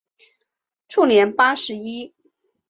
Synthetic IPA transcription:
ʈ͡ʂʰu˥˩njɛ˧˥npa˥ʂɻ̩˧˥i˥

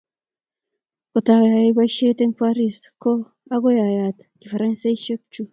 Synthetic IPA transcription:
ko˨t̪a˨ɣja˨je˦βa˦iʃe˦t̪e˦ŋkʷa˦ɾi˦sko˦ | a˦ɣo˦ja˨ja˨t̪ | ki˨fa˨ɾa˦nsa˦i˦ʃe˦k̚t͡ʃu˦

